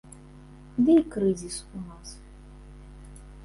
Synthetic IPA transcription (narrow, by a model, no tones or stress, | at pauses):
d̪ɨikɾɨzʲisunas